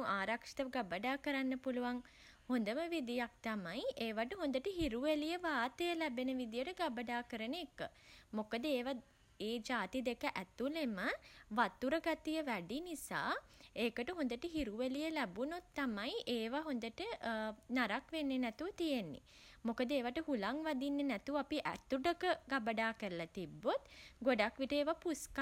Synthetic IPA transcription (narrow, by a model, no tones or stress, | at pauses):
ʔaːɾakʂi̥t̪əʋəɡabəɖaːkəɾanːəpuluʋaŋ | hond̪əməʋid̪ijak̚t̪amajeːʋaʈəɦond̪əʈəɦiɾuʋelijəʋaːt̪əjəlæbenəʋid̪ijəʈəɡabəɖaːkəɾəneːkːə̰mokəd̪əeːʋa | eːd͡ʒaːt̪id̪ekəʔæt̪uleməʋat̪ːuɾəɡat̪ijəʋæɖinisa̰ːeːkəʈəɦõnd̪əʈəɦiɾuʋəlijəlæbunot̪ːamajʔeːʋaɦond̪əʈənaɾakʋenːenɛt̪uʋət̪ijenːḭ | mokəd̪əeːʋaʈəɦulaŋʋad̪inːenæt̪uapiʔæ̰t̪uɖəkəɡabəɖaːkəɾəlat̪ibːot̪ɡoɖakʋiʈəeːʋapuska